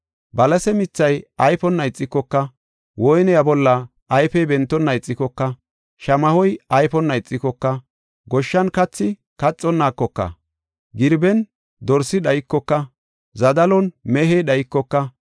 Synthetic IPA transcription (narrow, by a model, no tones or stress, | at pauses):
bɐlɐsɛmɪt͡sːɐjɐjfɔnːɐjɪt͡sʼːɪkːɔkːɐ | wɔjnɛjɐbɔlːɐː | jfɛjbɛnt̪ːɔnːɐjt͡sʼːɪkːɔkːɐ | ʃɐmɐhɔjɐjpɔnːɐjɪt͡sʼːɪkːɔkːɐ | ɡɔʃːɐnkɐt͡sːɪ | kɐt͡sʼːɔnːaːkːɔkːɐ̰ | ɡɪɾbɛn | d̪ɔɾsɪɗɐjɪkːɔkːɐ | zɐd̪ɐlɔnmɛɦɛjɗɐjɪkːɔkːɐ